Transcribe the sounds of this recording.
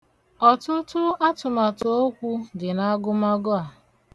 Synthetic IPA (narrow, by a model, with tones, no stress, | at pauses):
ɔ˨tʊ˦tʊ˦a˦tʊ˨ma˨to˨o˦kʷu˦dɪ˨na˦ɡʊ˦ma˦ɡʊ˦a˨